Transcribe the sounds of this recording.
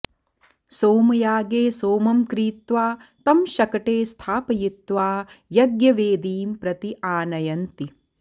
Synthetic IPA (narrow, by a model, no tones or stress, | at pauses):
soːmɐjaːɡeːsoːmɐmkɾiːt̪ʋaː | t̪ɐmʃɐkɐʈeːst̪ʰaːpɐjit̪ʋaːjɐɡjɐʋeːd̪iːmpɾɐt̪iʔaːnɐjɐnt̪i